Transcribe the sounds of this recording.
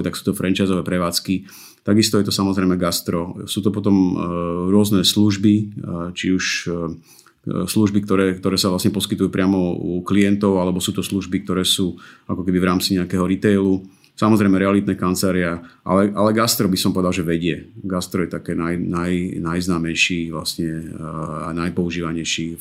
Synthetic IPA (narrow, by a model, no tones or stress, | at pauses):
t̪aksu̥ːt̪ɔfɾʔɛnt͡ʃajzɔʋɛːpɾɛʋaːt͡ski | t̪aɡist̪ɔjɛt̪ɔsamɔzɾɛjmɛɡast̪ɾɔsuːt̪ɔpɔt̪ɔmɾʊɔznɛsluʒbit͡ʃiuʃ | sluʒbikt̪ɔɾɛːk̚t̪ɔɾɛːsaʋlasɲɛpɔskit̪ujuːpɾɪamɔukliɛnt̪ɔʊalɛbɔsuːt̪ɔsluʒbik̚t̪ɔɾɛːsuːakɔkɛbiʋɾaːmt͡siɲɛakɛːɦɔɾit̪ɛjlu | samɔzɾɛɪmɛɾɛalit̪nɛːkant͡slɛːɾɪaʔa̰lɛʔalɛɡast̪ɾɔbisɔmpɔʋɛd̪alʒɛʋɛɟɪɛɡast̪ɾɔjɛt̪akɛːnajnajnajznaːmɛjʃiːʋla̰sɲɛ | a̰najpɔuʒiːʋaɲɛjʃiː